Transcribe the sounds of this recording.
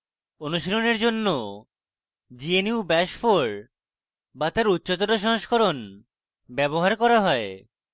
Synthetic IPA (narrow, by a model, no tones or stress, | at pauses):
onuʃiloneɾd͡ʑonːo | d͡ʑieniubɛʃfoɾ | bat̪aɾutːɕot̪̬oʈoʃɔɦoʃkʰoɾon | bɛβoɦaɾkɔɾaɦɔe